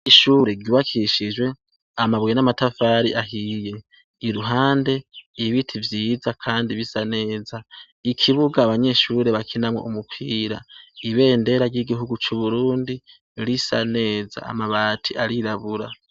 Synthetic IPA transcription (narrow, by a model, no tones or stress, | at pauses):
iʃuːɾe̞ɡɟuβakʰiʃiʒwe̞ | amaβwenamatafaːɾiʔaɦije̞ | iɾuɦaːnde̞iβitʰivjiːzakʰaːndiβisane̞ːza | ikʰiβuɡaːβaɲe̞ʃuɾe̞βakʰinamwo̰umupʰiːɾaiβe̞ːnde̞ɾaɾɟiɡiɦuɡut͡ʃuβuɾuːndi | ɾisa̰ne̞ːza̰a̰maβaːtʰiʔaɾiɾaβuɾa